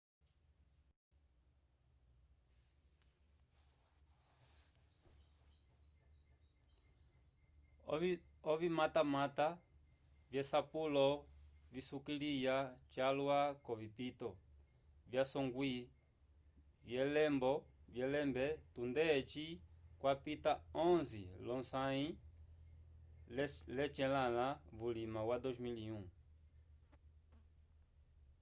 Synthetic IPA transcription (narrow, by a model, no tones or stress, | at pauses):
ɔvimatamata | vjɛsapulɔvisukilijat͡ʃalwakɔvipitɔ | vjasɔŋɡwi | vjɛlɛmbɔvjɛlɛmbɛtund̪ɛt͡ʃikwapitaɔ̃nzḭlɔnsaĩ | lɛt͡ʃɛlalavulimawad̪ɔzmiliũ